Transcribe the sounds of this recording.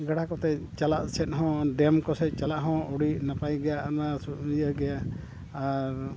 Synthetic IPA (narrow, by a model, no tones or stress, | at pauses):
ɡaɽakɔt̪ɛt͡ʃalaʔsɛt̪̚ɦɔ̃ɖɛmkɔsɛt͡ʃalaʔɦɔ̃ɔɽiʔnapajɡɛjaʔnasjəɡɛjaʔ | aɾ